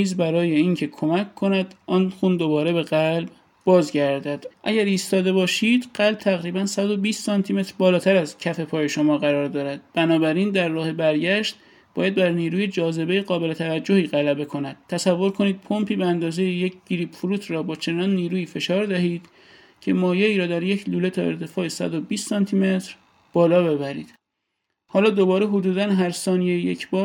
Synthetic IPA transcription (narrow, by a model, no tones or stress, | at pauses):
iːzbæɾɒːjeiːŋcʰe̞kʰo̞mæckʰːo̞næd̪̥ʔɒːnxund̪o̞bɒːɾe̞be̞ɣælb | bɒːzɟæɾd̪æd̪̥ʔæ̰ɟæɾiːst̪ɒːd̪e̞bɒːʃiːd̪̥ɢ̥ælb̚t̪ʰæɣɾiːbænsæd̪o̞biːst̪sɒnt̪ʰime̞t̪ɾbɒːlɒːt̪ʰæɾæzcʰæfe̞pʰɒːje̞ʃo̞mɒːɣæɾɒːɾd̪ɒːɾæd̪̥̚b̥ænɒːbæɾind̪æɾːɒːhebæɾɟæʃt̪̚ | bɒːjæd̪̚bæɾniːɾuːjed͡ʒɒːze̞be̞jeɣɒːbe̞le̞t̪ʰævæd͡ʒːo̞hiːɣælæbe̞kʰo̞næd̪̥̚t̪ʰːæsævːo̞ɾkʰo̞niːd̪̥̚pʰo̞mpʰiːbeænd̪ɒːzejeje̞cʰɟ̥iɾiːbfuɾuːt̪ʰɾɒːbɒːt͡ʃʰe̞nɒːnːiːɾuːiːfe̞ʃɒːɾd̪æhiːd̪̥ | cʰe̞mɒːjeiːɾɒːd̪æɾje̞cʰluːle̞t̪ʰɒːe̞ɾt̪ʰe̞fɒːesæ̰d̪o̞biːst̪sɒnt̪ʰime̞t̪ʰɾ | b̥ɒːlɒːbe̞bæɾḭːd̪̥ | hɒːlɒːd̪o̞bɒːɾeɦod̪uːd̪ænɦæɾsɒːnijejejecʰbɒːɾ